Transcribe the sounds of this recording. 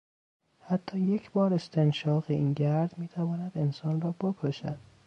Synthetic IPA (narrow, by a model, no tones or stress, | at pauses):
hæt̪ʰːɒːje̞cʰbɒːɾe̞st̪ʰenʃɒːɣeiːnɟæɾd̪miːt̪ʰævɒːnæd̪e̞nsɒːnrɒːbokʰoʃæ̰d̪̥